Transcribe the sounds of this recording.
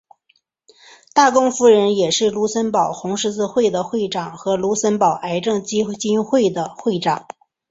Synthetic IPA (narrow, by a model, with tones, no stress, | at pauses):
t̪a˥˩kʊ˥ŋfu˧˥ɻə˧˥njɛ˨˩ʂɻ̩˥˩lu˧˥sə˥npɑ˨˩ʊxʊ˧˥ŋʂɻ̩˥t͡sɹ̩˥˧xwe˥˩ɪd̪ə˩xwe˥˩ɪʈ͡ʂɑ˨˩˦ŋxɤ˧˥lu˧˥sə˥npɑ˨˩ʊʔa˧˥ɪʈ͡ʂɤ˥˩ŋt͡ɕi˥t͡ɕi˥nxwe˥˩ɪd̪ə˩xwe˥˩ɪʈ͡ʂɑ˨˩˦ŋ